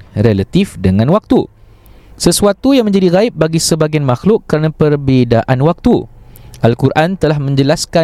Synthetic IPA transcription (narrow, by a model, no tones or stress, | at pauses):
relat̪ifdəŋãnwak̚t̪u | səsuat̪ujaŋmə̃ɲd͡ʒadiɾaɪp̚baɡisəbaɡijanmaxlʊkːəɾanãpərbidaʔanwak̚t̪uʔalkuɾʔant̪əlahmə̃ɲd͡ʒəlaska